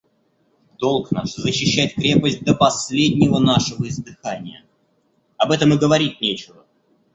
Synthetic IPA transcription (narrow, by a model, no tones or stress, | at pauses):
d̪̥o̞lˠkna̰ʂzəɕːɪɕːæɪt̪̚kɾʲe̞pəsʲt̚ʲd̪əpɐsʲlʲedʲnʲɪvənaʂəvəɪzd̪ɨxanʲɪjə̰ | ɐbɛt̪əmɨɡəvɐɾʲit̪̚ʲnʲet͡ɕɪvə